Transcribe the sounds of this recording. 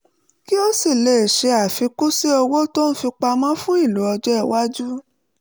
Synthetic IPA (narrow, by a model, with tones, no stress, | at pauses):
ki˦o˦si˦˨le˨ʃe˧a˨fi˨˧ku˦si˦o˧wo˦to˦n̩˦fi˧k͡pa˧mã˦fũ˦i˦˨lu˨˦ɔ˧d͡ʒɔ˦ɛ˦˨wa˦d͡ʒu˦